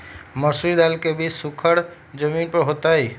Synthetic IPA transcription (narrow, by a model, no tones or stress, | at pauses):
mɔsuid̪alkebisukʰəɽ | d͡ʒəminpəɾɦot̪ai